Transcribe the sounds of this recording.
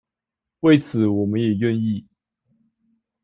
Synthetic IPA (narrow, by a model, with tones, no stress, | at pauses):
we˥˨ɪt͡sʰɹ̩˨˦wɔ˨˩mə˨˦njɛ˨˩ɥɛ˥˧ni˥˩˨